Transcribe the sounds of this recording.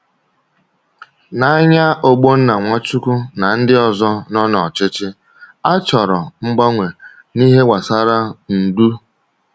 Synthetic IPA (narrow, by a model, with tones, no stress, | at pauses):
na˦a˦ɲa˦ʔo˦ɡ͡bo˦n̩˦na˨ŋʷɔ˦t͡ʃu˦kʊ˦na˨n̩˦dɪ˦ɔ˨zɔ˦nɔ˦nɔ˨t͡ʃɪ˦t͡ʃɪ˦ | a˦t͡ʃɔ˨ɾɔ˨ŋ͡m̩˦ɡ͡bɔ˦ŋʷe˨ | ni˦ɦe˦wʷa˨sa˦ɾa˦n̩˨du˦